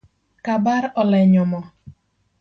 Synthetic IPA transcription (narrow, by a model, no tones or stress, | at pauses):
kabaɾɔlɛɲɔmɔ